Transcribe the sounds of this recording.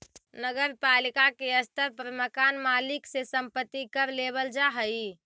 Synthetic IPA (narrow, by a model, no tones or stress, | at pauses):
nəɡəɾpalikakeəst̪əɾpɾəməkanmaliksesəmpət̪ːikəɾleβəld͡ʒaɦəj